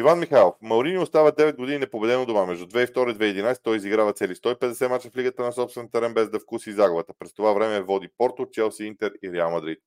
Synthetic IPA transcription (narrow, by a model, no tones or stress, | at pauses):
ivanmixajlˠofmɐwɾiniost̪avəd̪ɛvɛd̪̚ɡod̪ininɛpobɛd̪ɛnod̪omamɛʒd̪ud̪vɛift̪ɔɾəid̪vɛiɛd̪inajsɛ̥t̪ɔjiziɡɾavɐt̪sɛlist̪ɔipɛd̪ɛsɛmat͡ʃə̥fliɡət̪ənɐsɔpsvɛnt̪ɐɾɛmbɛzd̪ɐfkusizaɡovət̪əpɾɛst̪ovavɾɛmɛvɔd̪ipɔɾt̪ot͡ʃɛlˠsiint̪ɛɾiɾɛalˠmɐd̪ɾit̪̚